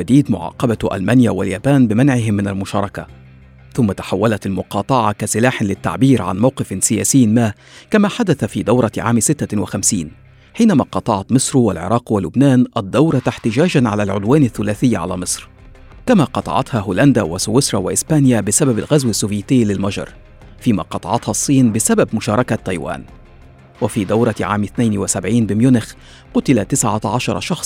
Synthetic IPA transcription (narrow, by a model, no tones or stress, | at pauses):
ad̪iːd̪mʊʕɑ̰ːqɑbaʔa̰lmaːnja̰wa̰ljaːbaːnbɪmanʕɪɦɪmːɪnalmʊʃɑːɾˤɑka̰ | θʊmːat̪ḁħawːalat̪almʊqɑːt̪ˤɑʕɑkasɪlaːħɪlɪt̪ːa̰ʕbiːɾʕa̰nmawqɪfnsɪja̰ːsɪːmaː | kamaːħad̪aθafiːd̪awɾˤɑʕaːmsɪt̪ːawɪxamsiːn | ħiːnamaːqɑt̪ˤɑʕɑt̪mɨsˤɾwa̰lʕɪ̰ɾˤɑːqwalʊbnaːnʔad̪ːawɾˤɑt̪aħt̪ɪd͡ʒaːd͡ʒanʕalalʕʊ̰d̪waːnaθːʊlæːθɪjːʕa̰la̰ːmɨsˤɾ | kamaːqɑt̪ˤɑ̰ʕɑ̰t̪hɑɦʊːland̪awaswɪsɾˤɑwaʔɪsbaːnɪjabɪsababa̰lɣazwɪsːuːvjiːt̪ɪjːlɪlmɑʒɑ̰ɾˤ | fiːma̰ːqɑt̪ˤɑ̰ʕɑt̪hɑsˤːiːnbɪsababmʊʃɑːɾˤɑkat̪ːˤɑjwa̰ːn | wafiːd̪awɾˤɑʕa̰ːmɪθnajnwɪsabʕiːnbɪmjʊnɪx | qʊt̪ɪlat̪ɪsʕaʕɑʃɑɾˤɑ̰ʃɑxsˤ